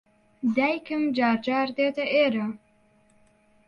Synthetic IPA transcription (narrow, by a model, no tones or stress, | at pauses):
d̪æjkʰɨmd͡ʒaːɾd͡ʒɑːɾd̪eːt̪ɐʔeɾa